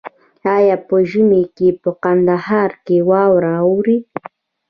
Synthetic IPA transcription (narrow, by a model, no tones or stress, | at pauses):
ajapəʒəmekepəqand̪ahɑɾkewɑwɾaawɾi